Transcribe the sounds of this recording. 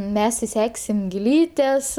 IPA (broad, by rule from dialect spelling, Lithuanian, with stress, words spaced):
ˈmʲɛs ɪˈsʲæːksʲɪm ɡʲɪlʲˈiːtʲɛs